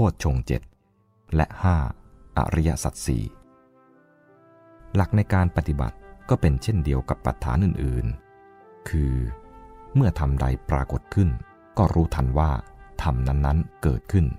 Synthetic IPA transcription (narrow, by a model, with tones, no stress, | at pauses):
pʰuː˥˩t̪̚t͡ɕʰo˧ŋt͡ɕḛ˨˩t̪̚ | lɛ̰˦˥ʔhaː˥˩ | ʔa̰˨˩ɾa˧˥ja˦˥ʔsa̰˨˩t̪̚sḭː˨˩ | la˨˩k̚na˧jkaː˧npa˧t̪i˨˩ba̰˨˩t̪̚kɔː˥˩pe˧nt͡ɕʰe˥˩ndi˧əwka˨˩pːa̰˨˩t̪ʰːa̰ː˩˦nʔɯː˨˩nʔɯː˨˩n | kʰɯː˧ | mɯ˥˩ɐt̪ʰa˧mda˧jpɾaː˧ko˨˩t̪̚kʰɯ˥˩n | kɔː˥˩ɾuː˦˥t̪ʰa˧nwaː˥˩t̪ʰa˧mna˦˥nːa˦˥nkɤ̰ː˨˩t̪̚kʰɯ˥˩n